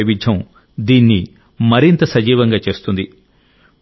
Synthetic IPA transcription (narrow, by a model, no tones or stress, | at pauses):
ʋid͡ʒʱɐm | d̪iːnːi | mɐɾint̪ɐsɐd͡ʒiːʋɐŋɡaːt͡ʃe̞ːst̪und̪i